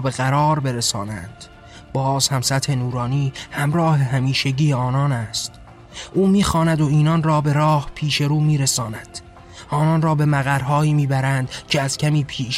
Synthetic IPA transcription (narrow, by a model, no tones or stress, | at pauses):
be̞ɣæɾɒːɾbe̞ɾesɒːnæ̰nd̪̥ | b̥ɒːzhæmsæt̪ʰe̞nuːɾɒːniːhæmɾɒːhe̞ɦæmiːʃeɟiːeɒːnɒːnæst̪ | ʔuːmiːxɒːnæd̪o̞iːnɒːnrɒːbe̞ɾɒːhpʰiːʃe̞ɾuːmiːɾesɒːnæd̪̥ | ʔɒːnɒnɾɒːbe̞mæɣæɾɦɒːiːmiːbæɾænd̪̥cʰeæz̥cʲʰæmiːpʰiːʃ